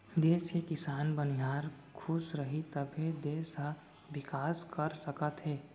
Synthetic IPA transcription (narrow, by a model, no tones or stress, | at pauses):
d̪eːskekɪsaːnbəniɦaːɾ | kʰʊsɾəɦit̪əbʱed̪eːsɦə | ʋɪkaːskəɾsəkət̪ɦeː